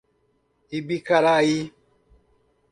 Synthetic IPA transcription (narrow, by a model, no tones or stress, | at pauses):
ibikaɾaji